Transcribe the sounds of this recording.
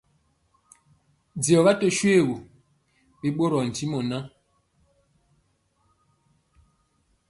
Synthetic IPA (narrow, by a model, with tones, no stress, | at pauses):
d͡zi˨ɔ˨βa˦tɔ˦ʃwe˦˨ɣo˨ | bi˦ɓo˦ɾɔ˨n̩˨ti˦mɔ˨na˦